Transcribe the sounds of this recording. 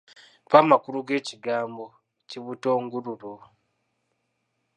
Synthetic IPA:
pamakuɾuɡe̞ːciɡaːmbo̞ | ciβuto̞ːŋɡuɾuɾu

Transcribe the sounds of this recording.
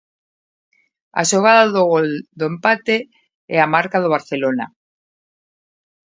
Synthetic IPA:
a̰ʃoɣ̞aðaðɣold̪oempat̪e | ɛamaɾkaðoβ̞aɾθelona

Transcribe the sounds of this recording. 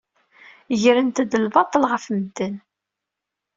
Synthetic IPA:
ʝəɾənt̪əd̪əlvɑt̪ˤːəlʁəfməd̪ːən

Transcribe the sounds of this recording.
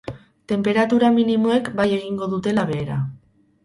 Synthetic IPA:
t̪e̞mpe̞ɾat̪uɾaminimo̞e̞kbaje̞ɣ̞iŋɡo̞ðut̪e̞laβ̞e̞ːɾa

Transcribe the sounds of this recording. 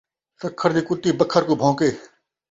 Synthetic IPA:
sɐkʰːəɾd̪iːkʊt̪ːiːbɐkʰːəɾkobʱõːkeː

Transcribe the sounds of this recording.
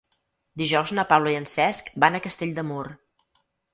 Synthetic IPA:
d̪iʒɔwznəpawləiənsɛskbanəkəst̪eʎʲd̪əmor

